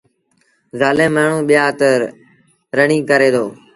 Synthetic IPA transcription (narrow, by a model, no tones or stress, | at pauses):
zaːlẽːmaːɳ̤ũːɓɪjaːt̪əɾ | ɾəɳĩːkəɾeːd̪oː